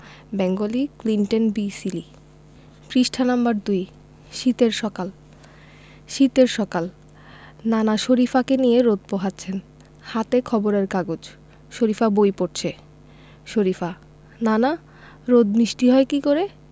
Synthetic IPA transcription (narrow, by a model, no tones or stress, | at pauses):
bɛŋɡoliklinʈonbisili | pɾiʃʈʰanambaɾd̪uj | ʃit̪eɾʃɔkal | ʃit̪eɾʃɔkal | nanaʃoɾifakenijeɾod̪̚poɦatːt͡ɕʰen | hat̪ekʰɔboɾeɾkaɡod͡ʑ | ʃoɾifabojpoʈ̚t͡ɕʰe | ʃoɾifa | nana | ɾod̪̚nɾiʃʈiɦɔekikoɾe